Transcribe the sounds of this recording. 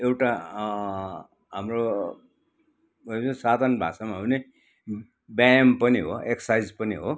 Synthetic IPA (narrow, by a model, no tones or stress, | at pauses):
ewʈa | ɦamro | ʌesad̪ʱʌnbʱa̰samaɦune | bjajmpʌniɦo̰eksʌ̥sajd͡zpʌniɦo